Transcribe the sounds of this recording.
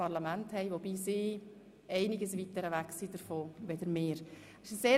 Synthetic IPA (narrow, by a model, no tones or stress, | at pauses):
ɑɾlamænthɛɪʋob̥iːsiː | ɛɪnɪɡəsʋitəɾəʋæksid̥əɾfoːʋed̥əɾmeːɾ | ɪʃseː